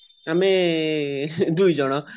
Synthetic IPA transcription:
ame | d̪ujd͡ʑɔɽ̃ɔ

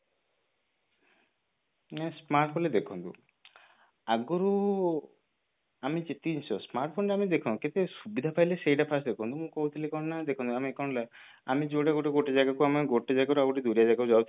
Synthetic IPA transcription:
nɛsmaɾʈpʰonled̪ekʰɔnt̪ṵ | aɡɔɾu | amid͡ʒet̪insɔsmaɾʈpʰonʈeamid̪ekʰɔ̃nket̪esubid̪ʱapʰajlesejʈapʰasd̪ekʰɔ̃nt̪umũkɔɦut̪ʰilekɔnnad̪ekʰɔ̃nt̪uamiekɔɳla | amid͡ʒoɽeɡoʈeɡoʈed͡ʒaɡakuamaɡoʈed͡ʒaɡaɾuaɡɔʈid̪uɾijad͡ʒaɡaud͡ʒawt̪ʰi

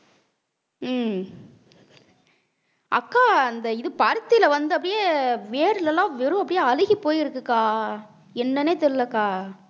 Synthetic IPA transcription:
ɐkːaːɐnd̪ɐɪðɯpɐɾt̪ːɪlɐʋɐnd̪ɯɐpːɐɽɪjeːʋeːɾɯlɛlːãːʋɪɾɯ̃ɐpːɐɽɪjeːɐlɪɣipːoːjɪɾɯkːɯkːaː | ɛnːɐneːt̪ɛɾɯlɐkːaː

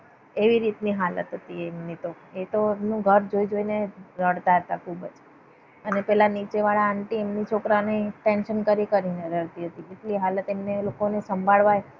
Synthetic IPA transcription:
eʋiɾit̪niɦalə̰t̪ɦət̪ieːmnit̪o | et̪oemnũɡʱəɾd͡ʒoid͡ʒoineɾəɽt̪aɦət̪akʰubəd͡ʒ | ənepɛɦlanit͡ʃeʋaɭaːɳʈiemnit͡ʃʰokɾaneʈenʃənkəɾikəɾineɾəɭt̪iɦət̪ikeʈliɦalət̪emnelokonesəmbʱaɭʋaj

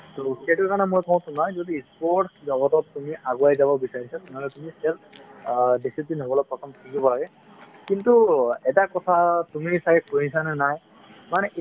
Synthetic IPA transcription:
tɔkɛtukanɛmojkɔ̃tʰumnazodiispɔʈzɔɡɔtɔttːumiʔaɡuajzabɔbisaɹisatmalɛtumisɛl | disipzinɦɔbɔlɔpɔkɔmtʰikibɔlaɡɛ | kintuɛtakɔtʰatumisajpoĩnsanɛnaj | manɛʔ

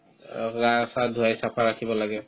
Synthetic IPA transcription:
ɹasadʱuajsapʰaɹakʰibɔlaɡɛ

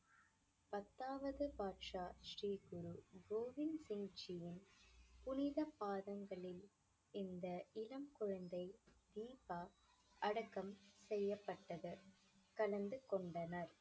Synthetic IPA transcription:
pɐt̪ːaːʋɐðɯpaːʈʂaːʃriːɡʊɾuɡoːʋɪnsɪŋd͡ʒɪjɪnpʊnɪðɐpaːðɐŋɡɐɭɪl | ɪnd̪ɐʔɪlɐmkɔɻɐnd̪ɐɪd̪iːpaː | ɐɽɐkːɐmsɛjːɐpːɐʈːɐðɯ | kɐlɐnd̪ɯkɔɳɖɐnɐɾ

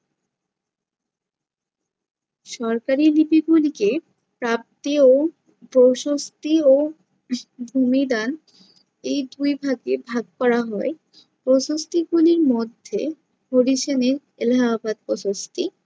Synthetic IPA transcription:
ʃɔɾkaɾilipiɡulike | pɾap̚t̪io | powʃost̪io | bʱumid̪an | ejd̪ujbʱaɡebʱaɡ̚pɔɾaɦɔe | pɾoʃost̪iɡuliɾmod̪ʱːḛ | bʱoɾiʃeneɾ | elɦabad̪poʃost̪i

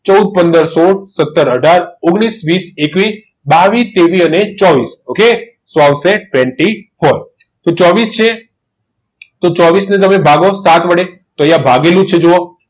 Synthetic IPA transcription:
t͡ʃəud̪̚pənd̪əɾsoɽsət̪ːəɾəɖʱaɾʊɡɽ̃isʋisekʋi | baʋit̪eʋiənet͡ʃɔʋisoke | sʋawseʈʋɛ̃ɳʈihɔj | t̪ot͡ʃɔʋist͡ʃʰe | t̪ot͡ʃɔʋisnet̪əmnebʱaɡosat̪ʋəɽe | t̪ojabʱaɡelũt͡ʃʰed͡ʒoo

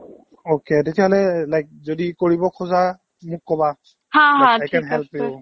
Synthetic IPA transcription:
oketetijaɦɔlɛlajk̚zodikoɹibɔkʰɔza | mʊkːɔba | hãɦãajkʰanɦɛlpi

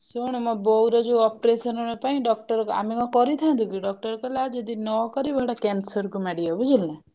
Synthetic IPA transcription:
suɽ̃umɔbɔwɾɔd͡ʒeɔpɾesɔnɔɽɔpaĩɖɔk̚ʈɔɾɔa̰mimɔkɔɾit̪ʰãnt̪ʰukiɖɔk̚ʈɔɾɔkɔlad͡ʒed̪inɔɔkɔɾibɔɽakansɔɾkumaɽiɔbud͡ʒilna

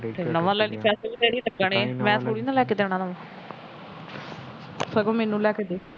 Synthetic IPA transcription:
nəʋãːlɛːɽiːpʰɛːsəlːpɛːɽiːt̪əkːəɳẽːmɛ̃ːt̪ʰoːɽiːnãːlɛːkeːd̪eːɽ̃ãːnəʋãː | səɡõːmeːnũːlɛːkeːd̪eː

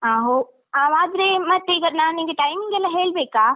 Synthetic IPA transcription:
ɦaːɦo | ãːʋaːd̪ɾemɐ̃t̪ːeɡɐnaːnĩːɡeʈaːɪmĩŋɡɛlaɦeːɭbeːkaː

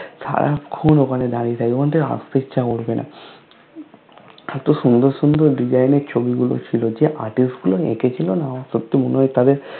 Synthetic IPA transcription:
ʃa̰ɾa̰kʰunokʰaned̪aɽiet̪ʰaikʰont̪ea̰st̪it͡ɕʰakoɽbenʔa̰ | aɾt̪oʃund̪oɾsund̪oɾɖid͡ʑajneɾt͡ɕʰobiɡulo̰t͡ɕʰilod͡ʑeʔaɾʈisʈɡuloḛket͡ɕʰilonaʃot̪ːimonojt̪ad̪eɾ

